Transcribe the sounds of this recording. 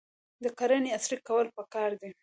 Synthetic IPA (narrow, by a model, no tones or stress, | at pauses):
d̪əkaɾaneasɾikawəlpəkɑɾd̪i